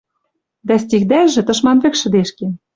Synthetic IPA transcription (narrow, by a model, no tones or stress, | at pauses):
d̪æs̬t̪ʲiɣd̪æʒĕt̪ɤ̆ʃmɑnβɘ̆kʃɘ̆d̪eʃke